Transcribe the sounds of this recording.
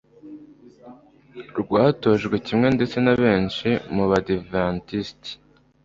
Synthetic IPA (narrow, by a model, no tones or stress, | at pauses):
ɾɡwaːto̞ʒɡwecimŋe̞nde̞t͡se̞naβe̞ːnʃimuβadivantisti̥